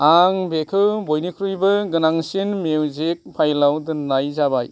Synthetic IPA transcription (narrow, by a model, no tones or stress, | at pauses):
aŋbekʰɯwbojnikʰɾujbɯɡɯnaŋsinmewzek̚pʰajlawdɯnajzabaj